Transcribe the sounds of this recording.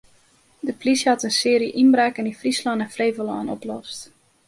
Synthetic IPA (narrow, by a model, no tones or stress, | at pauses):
dəflisjəhɑtənsɪːɾiʔinbrɛːkənifrislɔnɛnfreːvəlɔːnɔ̰plɔst